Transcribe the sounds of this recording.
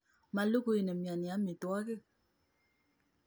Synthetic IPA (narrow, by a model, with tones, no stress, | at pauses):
ma˨lo˦ko˦je˨ne˨mja˨nja˨˦me˨tɔ˦a˦ɣe˦˨